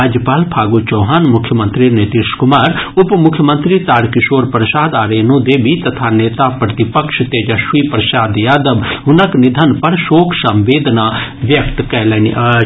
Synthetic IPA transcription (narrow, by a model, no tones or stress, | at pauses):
aːd͡ʒpaːlpʰaːɡoːt͡ʃoːɦaːnmʊkʰjəmə̃nt̪ɾiːnɪt̪ɪʃkʊmaːɾʊpmʊkʰːjəmə̃nt̪ɾiːt̪aːɽkɪʃoːɾpɾsaːd̪aːɾeːnũːd̪eːbiːt̪ət̪ʰaːneːt̪aːpɾət̪ɪpəkʃt̪eːd͡ʒəʃiːpɾəʃaːd̪jaːd̪əbɦʊnəknɪd̪ʱənpəɾʃoːkʰsə̃mʋeːd̪naːʋjəkt̪kɛːlɛːni